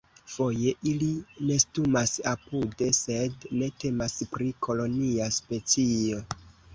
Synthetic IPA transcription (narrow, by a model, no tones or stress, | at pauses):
fo̞je̞ʔiline̞stumasapude̞se̞dne̞te̞maspɾikʰo̞lo̞niaspe̞t͡sio̞